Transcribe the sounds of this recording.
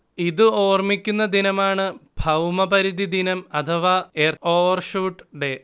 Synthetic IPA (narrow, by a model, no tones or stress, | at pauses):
iðɨo̞ːrmikʲːunːɐd̪inɐmaːɳɨbʱɐwmɐbɐɾiðid̪inɐmɐt̪ʰɐʋaːeroːʋɐrʂuːʈːɖe̞